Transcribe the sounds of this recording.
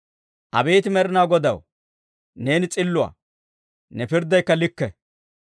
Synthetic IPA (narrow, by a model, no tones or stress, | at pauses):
ʔɐ̰be̞ːt̪ɪmɛɾɪnaːɡɔd̪ɐw | ne̞ːnɪt͡sʼɪlːʊa̰ː | nɛpɪɾd̪ːɐjkːɐlɪkːɛ